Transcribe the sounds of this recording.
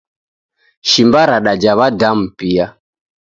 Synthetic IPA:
ʃimbaɾaɗad͡ʒaβadam̩pia

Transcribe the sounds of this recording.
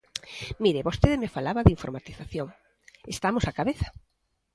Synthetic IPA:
miɾeβost̪eðɪmefalaβɐðiɱfoɾmat̪iθaθjoŋ | est̪amosakaβeθḁ

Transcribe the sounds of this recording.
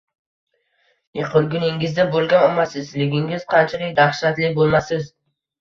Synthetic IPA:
jeqʰʊɾɡʲʊnɪŋɪzd̪abolˠɡʲanɒmːasɪzlɪɡʲɪŋɪz̥qʰɑnt͡ʃʰalɪkʲd̪aχʃat̪lɪbolˠmasɪz

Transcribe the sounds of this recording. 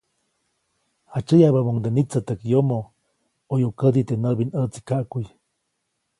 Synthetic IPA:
hat͡ʃəjabamoŋd̪enit͡sət̪əkjomo | ojukəd̪it̪enəbinət͡si̥kaʔkuj

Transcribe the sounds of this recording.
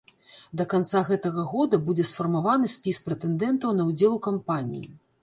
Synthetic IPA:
d̪ɐkant̪saɣɛt̪ɐɣɐɣɔd̪ɐbud͡zʲɛsfɐrmavanɨsʲpʲispɾɛt̪ɛnd̪ɛnt̪ɐwnɐwd͡zʲɛlˠukampanʲḭjḭ

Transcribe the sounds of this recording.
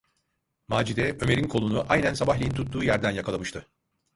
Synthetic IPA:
maːd͡ʒid̪ɛø̞me̞ɾinkʰo̞lˠunuʔajnænsabaɦlʲejint̪ʰut̪ːuːjæɾd̪ænjakʰalˠamɯʃt̪ʰɯ

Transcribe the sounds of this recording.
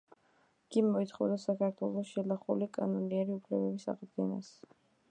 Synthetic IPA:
ɡ̥imɔit̪χɔd̪asakʰaɾt̪ʰwɛlˠɔsʃɛlˠaχulikʼanɔniɛɾiupʰlɛbɛbisa̰ʁd̪ɡɛna̰s

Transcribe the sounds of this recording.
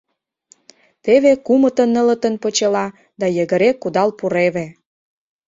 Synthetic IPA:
t̪eβekumə̆t̪ə̆nːə̆lə̆t̪ə̆npə̆t͡ɕəlɑ | d̪ɑjə̆ɣə̆ɾekːud̪ɑlpuɾeβe

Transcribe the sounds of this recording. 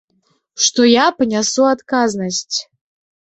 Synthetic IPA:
ʂt̪ɔjapɨnʲasuat̪kaznɐsʲt͡sʲ

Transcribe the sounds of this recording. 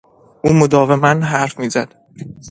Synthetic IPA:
ʔuːmod̪ɒːve̞mænɦæɾfmiːzæd̪̥

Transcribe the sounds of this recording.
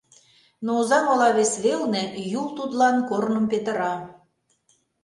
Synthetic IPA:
nouzɑmɑlɑβesβelnĕjult̪ud̪lɑnkornə̆mpet̪ə̆ɾɑ

